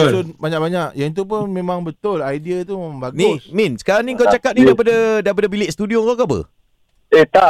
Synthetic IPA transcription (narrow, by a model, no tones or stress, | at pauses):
ʊnbaɲak̚baɲaʔjaŋt̪̬up̬ʊnmẽmãŋbət̪ʊlajdiat̪ummaŋbaɡniʊ̃smĩnsə̥kaɾaŋniŋkawt͡ʃakap̚nidaipadadaipadabilɪʔst̪udioŋkakabə̰ | et̪aʔ